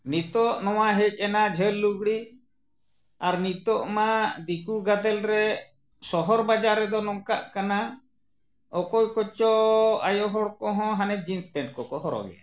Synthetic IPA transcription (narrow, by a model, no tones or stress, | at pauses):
nit̪ɔʔnɔwaɦɛc̚ˀɛnad͡ʒʱəlːuɡɽi | aɾnit̪ɔʔmad̪ikuɡad̪ɛlɾɛ | sɔɦɔɾbad͡ʒaɾːɛd̪ɔnɔŋkaʔkana | ɔkɔjkɔt͡ʃɔajɔɦɔɽkɔɦɔ̃ɦanɛd͡ʒinsʈɛɳʈ̚kɔkɔɦɔɾɔ̰ɡɛ̰a̰